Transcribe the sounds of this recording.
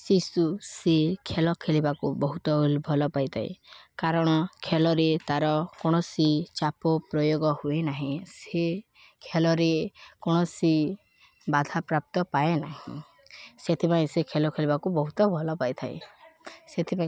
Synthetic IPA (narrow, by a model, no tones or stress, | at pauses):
sisusekʰelɔkʰelibakubɔɦut̪ɔulbʱɔlɔpajt̪ʰa̰ḛkaɾɔɽ̃ɔkʰelɔɾet̪aɾɔkoɽ̃ɔsit͡ʃapɔpɾɔjoɡɔhuenaɦĩse | kʰelɔɾekoɽ̃ɔsi | bad̪ʱapɾap̚t̪ɔpaenaɦḭ̃ | set̪ʰipaĩsekʰelɔkʰelibakubɔɦut̪ɔbʱɔlɔpajt̪ʰaḛ | set̪ʰipã